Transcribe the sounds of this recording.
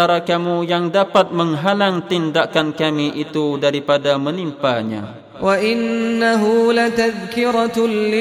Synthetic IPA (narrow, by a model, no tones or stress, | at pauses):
aɾakamujaŋdapat̪̚məŋɦalaŋt̪indaʔkankamiʔit̪udaɾipadamənimpaɲa̰ | waʔɪnːaɦulat̪aðkɪɾalɪ